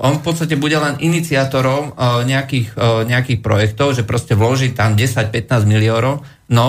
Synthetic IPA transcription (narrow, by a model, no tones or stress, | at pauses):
ʔɔnfpɔt̪st̪ac̬ɛbuɟɛlɛnʔinit͡siat̪ɔɾɔʊɲɛakiːxɲɛakiːxpɾɔ̰jɛkt̪ɔʊʒɛpɾɔscɛʋlɔʒiːt̪amɟɛsac̚pɛt̪naːzɟmiliɔːnɔʊ | nɔ